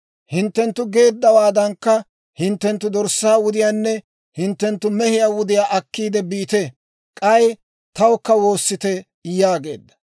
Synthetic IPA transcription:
hɪnt̪ːɛnt̪ːʊɡe̞ːd̪ːɐwaːd̪ɐŋkːɐ | hɪnt̪ːɛnt̪ːʊd̪ɔɾsːaːwʊd̪ɪjaːnːɛ | hɪnt̪ːɛnt̪ːʊmɛhɪjaːwʊd̪ɪjaːʔɐkːiːd̪ɛbiːt̪ɛ | kʼɐj | t̪ɐwɔkːɐwo̞ːsːɪt̪ɛ | jaːɡe̞̰ːd̪ːɐ̥

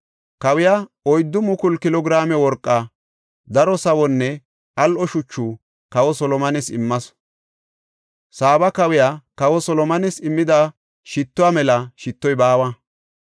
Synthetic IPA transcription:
kɐwɪjaːɔjd̪ːʊmʊkʊlkɪlɔɡɪɾaːmɛwɔɾkʼːa | d̪ɐɾɔsɐwɔnːɛ | ɐlʔɔʃʊt͡ʃːuː | kɐwɔsɔlɔmɐnɛsɪmːɐs | saːbɐkɐwɪjaːkɐwɔsɔlɔmɐnɛsɪmːɪd̪a | ʃɪt̪ːʊwamɛlɐʃɪt̪ːɔjbaːwɐ

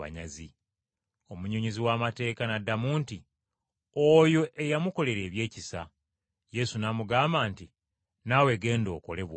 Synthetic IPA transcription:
a̰ɲa̰zi | o̞muɲo̞ɲiziwaːmate̞ːkanadːamuːnti | ojo̞ʔejamuko̞le̞ɾe̞ːβje̞ːcisa | je̞sunaːmuɡaːmbaːnti | nawe̞ɡe̞ːndo̞̰ːko̞̰le̞βw

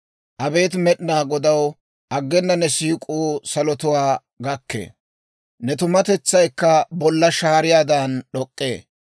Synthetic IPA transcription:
ʔɐbe̞ːt̪mɛɗnaːɡɔd̪ɐw | ʔɐɡːɛnːɐnɛsiːkʼuːsɐlɔt̪ʊwaː | ɡɐkːḛː | nɛt̪ʊmɐt̪ɛt͡sːɐjkːɐbɔlːɐʃaːɾɪjaːd̪ɐnɗɔkʼːe̞ː

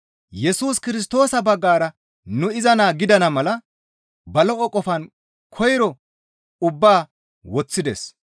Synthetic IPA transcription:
jɛsuːskɪɾɪs̬t̪o̞ːsɐbɐɡːaːɾɐ | nʊɪzɐnaːɡɪd̪ɐnɐmɐlɐ | bɐlɔʔɔkʼːɔfɐn | kʰɔjɾɔ | ʊbːaː | wɔt͡sːɪd̪ɛ̰s

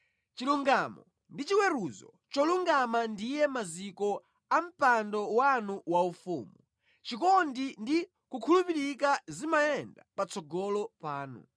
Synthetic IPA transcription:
t͡ʃiluŋɡamɔ | ndit͡ʃiwɛɾuzɔ̰t͡ʃɔluŋɡamandijɛmazikɔ | am̩pandɔwanuwaufṵːmu | t͡ʃikɔndindi | kukʰulupiɾikazimajɛndapat͡sɔɡɔlɔpaːnṵ

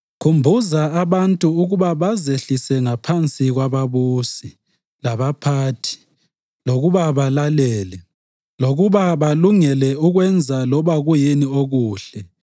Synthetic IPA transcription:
kʰumbʱuzaaβantʼuuɣuβaβazeɬisɛŋapʰant͡sʼiɣwaβaβuːsi | laβapʰaːtʰi̥ | loɣuβaβalalɛːlɛ | loɣuβaβaluŋɛlɛuɣwɛnd͡zʱalɔβaɣujinioɣuːɬɛ

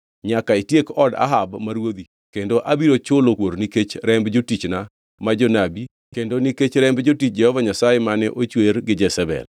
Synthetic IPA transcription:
ɲakaitjekɔda̰ɦabmaɾwod̪i | kendoʔabiɾot͡ʃʊlokwoɾniket͡ʃɾɛmbd͡ʒotit͡ʃna | mad͡ʒonabi | kendoniket͡ʃɾɛmbd͡ʒotit͡ʃ̚d͡ʒɛhɔvaɲasajemanɛʔot͡ʃweɾɡɪd͡ʒɛsɛbɛ̰l

